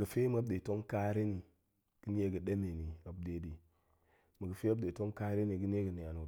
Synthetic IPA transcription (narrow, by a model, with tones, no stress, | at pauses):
ɡə˨fe˦m˦a˦bde˨to˦ŋka˦ɾe˦ni˨ | ɡ̥ə˦n˦e˦ɡə˨de˦me˨ni˨a˨b̚de˨˦di˨ | mə˨ɡə˨fe˦a˦b̚de˨to˦ŋka˦ɾe˦ni˨ɡɨ˦n˦e˦ɡə˨ni˨a˨nu˨